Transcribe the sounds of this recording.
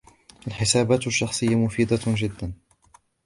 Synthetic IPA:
ʔalħɪsaːbaːt̪aʃːɑxsˤɨjːamʊfiːd̪ad͡ʒɪd̪ːan

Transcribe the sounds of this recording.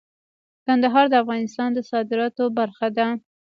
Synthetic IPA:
kand̪aɦɑɾd̪əafɣɑnɪst̪ɑnd̪əsɑd̪ɪɾɑt̪obaɾxad̪a

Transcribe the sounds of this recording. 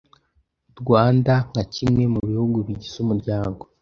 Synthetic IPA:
dɡwaːndaŋɡacimŋe̞muβihuɡuβiɟiz̥umuɾɟaːŋɡo̞

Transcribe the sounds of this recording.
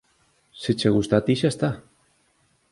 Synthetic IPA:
sit͡ʃeɣust̪at̪iʃast̪a

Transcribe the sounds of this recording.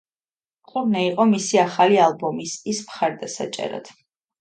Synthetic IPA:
qʼuɾnɛiqʼɔmisiaχalialˠbɔmisismχaɾd̪asa̰t͡ʃʼɛ̰ɾa̰d̪̥

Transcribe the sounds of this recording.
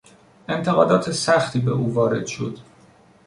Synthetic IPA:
e̞nt̪ʰeɣɒːd̪ɒːt̪ʰe̞sæxt̪ʰiːbe̞ʔuːvɒːɾe̞̰d̪̥ʃo̞̰d̪̥

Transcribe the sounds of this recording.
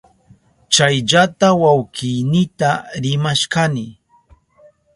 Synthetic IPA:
t͡ʃajʎat̪awawkɪjnɪt̪aɾɪmaʃkanɪ

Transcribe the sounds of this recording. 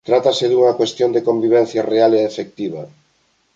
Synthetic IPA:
t̪ɾat̪aseðuŋɐkwest̪jond̪ekombiβ̞ɛn̟θjarealeːfek̚t̪iβ̞ɐ

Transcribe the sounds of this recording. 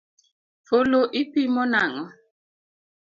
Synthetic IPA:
foloʔipimɔnaŋɔ

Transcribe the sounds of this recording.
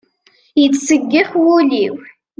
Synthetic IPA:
jət͡sːsəɡːɪχwuliw

